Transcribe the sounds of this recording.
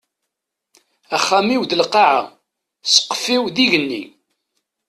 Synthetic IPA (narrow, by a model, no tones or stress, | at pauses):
æχːæmiwd̪əlqɑʕa̰ | sə̥qːə̥fiwðiʝənːḭ